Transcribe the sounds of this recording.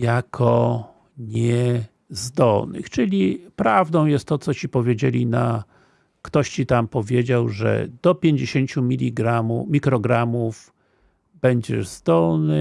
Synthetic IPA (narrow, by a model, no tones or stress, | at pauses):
jakʰɔ | ɲɛ | zd̪ɔlnɘ̰xt͡ʂɘlʲipɾavd̪ɔ̃w̃jɛst̪ːɔt̪sɔt͡ɕipɔvʲjed͡ʑelʲina | kt̪ɔɕt͡ɕit̪ampɔvʲjed͡ʑawʐɛ̰d̪ɔpʲjeɲd͡ʑeɕeɲt͡ɕumʲilʲiɡɾamumʲikɾɔɡɾamuf | bɛɲd͡ʑɛ̰ʐzd̪ɔlnɘ